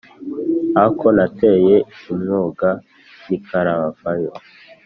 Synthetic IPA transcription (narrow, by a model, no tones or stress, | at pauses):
akʰonate̞jeimɲoɡa | nikʰaɾaβavajo